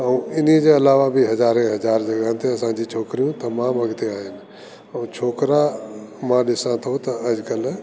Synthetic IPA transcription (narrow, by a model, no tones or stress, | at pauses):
ɐũɪn̤id͡ʑeɐlaːʋabɪɦɐzaːɾẽɦɐzaːɾd͡ʑɐɠant̪ʰeɐsãd͡ʑit͡ɕʰoːkɾijũt̪ɐmãːmɐɡt̪eaːɦɪnɪ̆ | ɐ̃ũt͡ɕʰoːkɾamãːɗɪsãt̪ʰot̪ɐɐd͡ʑkɐl